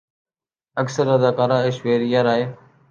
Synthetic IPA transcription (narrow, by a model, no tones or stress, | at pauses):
əksəɾəd̪aːkaːɾaːeːʃʋeːɾijaːɾaːɦeː